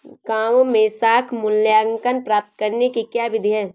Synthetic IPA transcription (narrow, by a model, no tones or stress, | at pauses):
kaːmmẽsaːkʰmʊlljaːŋkənpɾaːp̚t̪kəɾnekikjaːʋɪd̪ʱiɦɛ̃ː